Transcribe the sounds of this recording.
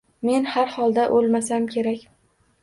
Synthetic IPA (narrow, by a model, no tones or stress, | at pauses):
me̞nhaɾhɒlˠd̪aʔolmasamkʲʰe̞ɾakʲ